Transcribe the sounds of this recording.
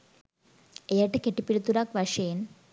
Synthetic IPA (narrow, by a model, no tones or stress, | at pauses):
ejaːʈːekeʈːipːiɽut̪ːuɾaːkʋɐʂeːn